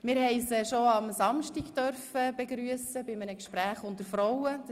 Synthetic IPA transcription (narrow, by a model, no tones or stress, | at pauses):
mɪːɾhɛɪsɛʃoɑmsɑmʃtiɡtœrfəb̥ɛɡɾyəsəbɪmənəkʃpɾæːχʊntəɾfɾɔwə